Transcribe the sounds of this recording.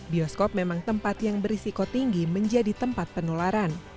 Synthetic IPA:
biɔskɔp̚memaŋt̪əmpat̪jaŋbəɾisikot̪iŋɡiməɲd͡ʒadit̪əmpat̪̚pənolaɾan

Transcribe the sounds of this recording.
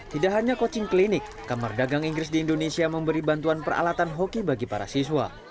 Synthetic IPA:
t̪idaʔɦaɲakot͡ʃɪŋklinɪkːamardaɡaŋiŋɡɾɪs̬diːndonesiaməmbəɾibant̪uanpəra̰lat̪anɦokibaɡipaɾa̰siswa̰

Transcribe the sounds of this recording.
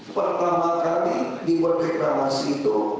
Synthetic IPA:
pərt̪amakalidipərdekɾamasiːt̪u

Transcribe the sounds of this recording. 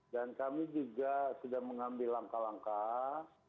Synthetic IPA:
dankamid͡ʒuɡasədaŋməŋambɪlːaŋkalaŋka

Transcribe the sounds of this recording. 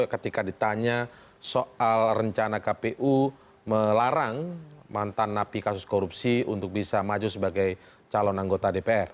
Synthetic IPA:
kət̪ikadit̪aɲa | soʔalrəɲt͡ʃanakapeʔu | məlaɾaŋmant̪anːapikasʊ̥skoɾupsiṵnt̪ʊk̚bisamad͡ʒusəbaɡaj | t͡ʃalɔnaŋɡot̪adepeɛr

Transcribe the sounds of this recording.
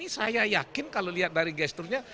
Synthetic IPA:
isajajakɪnkaloliɦat̪̚daɾiɡɛst̪ʊrɲa

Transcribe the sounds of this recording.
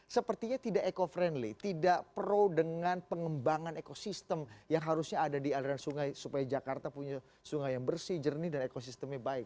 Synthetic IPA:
səpərt̪iɲat̪idaʔekofɾɛndlit̪idaʔpəɾowdəŋanpəŋəmbaŋanekosist̪əmjaŋɦaɾusɲaːdadialiɾansuŋajsupajad͡ʒakart̪apuɲa | suŋajaŋbərsid͡ʒərnidanekos̬ist̪əmɲabaɪk̚

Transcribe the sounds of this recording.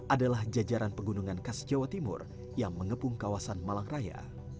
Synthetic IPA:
ʔadalahd͡ʒad͡ʒaɾanpəɡunuŋankasd͡ʒawat̪imʊ̰r | jaŋməŋəpuŋkawasanmalaŋraja̰

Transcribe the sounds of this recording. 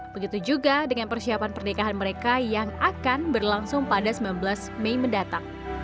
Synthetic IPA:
b̥əɡit̪ud͡ʒuɡadəŋanpərsiapanpərnikaɦanməɾekajaŋakanbərlaŋsʊŋpadasəmbilanbəlasmeiməndat̪aŋ

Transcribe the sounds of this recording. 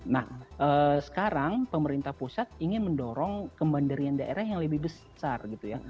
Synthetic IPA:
nahʔəːsə̥kaɾaŋpəməɾint̪ahpusat̪̚iŋɪnməndoɾɔŋkəmbandaɾiandaʔḛɾahjaŋləbɪhbəs | sarɡit̪uja

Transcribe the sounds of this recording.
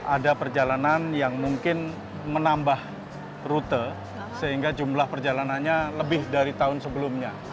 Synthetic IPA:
ʔadapərd͡ʒalananjaŋmuŋkɪn | mənambah | rut̪ə | səɦiŋɡad͡ʒumlahpərd͡ʒalananɲaləbɪhdaɾit̪aʊnsəbəlʊmɲa

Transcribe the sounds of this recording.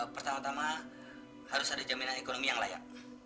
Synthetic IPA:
pərt̪amat̪ama | haɾʊsadad͡ʒaminaekonomijaŋla̰ja̰ʔ̚

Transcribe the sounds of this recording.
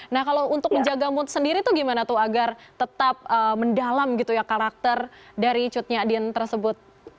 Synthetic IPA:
nahkaloʔunt̪ʊk̚məɲd͡ʒaɡamʊnt̪səndiɾit̪uɡimanat̪uaɡart̪ət̪ap̚əməndalamɡit̪ujakaɾak̚t̪ərdaɾit͡ʃʊt̪̚ɲaːdiɛnt̪ərsəbʊt̪̚

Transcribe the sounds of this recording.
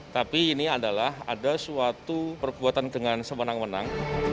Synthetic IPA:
t̪apiːniadalaɦa̰dasuat̪upərbuat̪andəŋansəmənaŋmənaŋ

